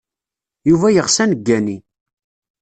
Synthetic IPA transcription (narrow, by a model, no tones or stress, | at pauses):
juvæjəʁsænəɡːæni